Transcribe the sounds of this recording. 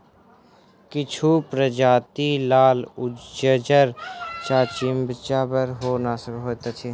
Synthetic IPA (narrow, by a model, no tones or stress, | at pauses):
kɪt͡ʃʰupɾəd͡ʒaːt̪ilaːlʊd͡ʒəd͡ʒəɾt͡ʃaːt͡ʃɪmbt͡ʃaːbəɾɦoːnaːsəbɦoːt̪at͡ʃʰe